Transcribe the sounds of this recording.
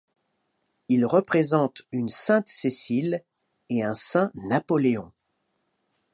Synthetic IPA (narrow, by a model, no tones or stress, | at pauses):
ilʁəpχezɑ̃t̪ynsɛ̃t̪sesil | eɛ̃sɛ̃napɔleɔ̃